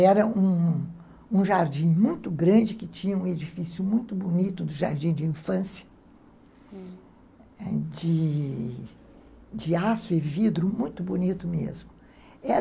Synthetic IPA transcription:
ɛɾɐũ | ũʒaɾd͡ʒĩmũj̃t̪ʊɡɾɐ̃d͡ʒɪkɪt͡ʃĩɲɐũed͡ʒifisjʊmũj̃t̪ʊbonit̪ʊd̪ʊʒa̰ɾd͡ʒĩd͡ʒɪĩfɐ̃sjɐ̥ | ɛd͡ʒɪ | d͡ʒɪasʊevid̪ɾʊmũj̃t̪ʊbonit̪ʊmḛzmʊ | ɛɾ

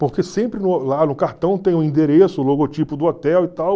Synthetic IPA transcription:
poɾkesẽmpɾɪnʊlanʊkaɾt̪ɐ̃w̃t̪ẽj̃ʊĩnd̪eɾesʊʊloɡot͡ʃipʊd̪ʊɔt̪ɛwit̪aw

